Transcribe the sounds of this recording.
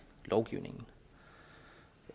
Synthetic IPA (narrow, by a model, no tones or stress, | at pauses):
loʊɡ̥ḭʊnɪ̰ŋn̩